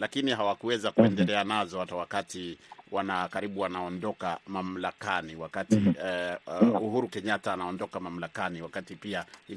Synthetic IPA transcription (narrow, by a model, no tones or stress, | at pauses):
lakiniɦawakuwɛzakuɛndɛlɛanazɔhatawakatiwanakaɾiɓuanaɔndɔkamam̩lakaniwakati | uhuɾukɛɲataːnaɔndɔkamam̩lakaniwakatipiai